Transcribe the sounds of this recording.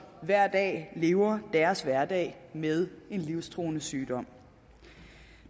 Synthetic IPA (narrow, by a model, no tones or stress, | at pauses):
ʋæɐ̰d̥ɛ̰ːle̝ːʊɐd̥æɐsʋæɐd̥ɛ̰ɪmeð̞ˠe̝nliʊst͡sʰʁo̝̰ːnəsyːd̥ɒ̽m̰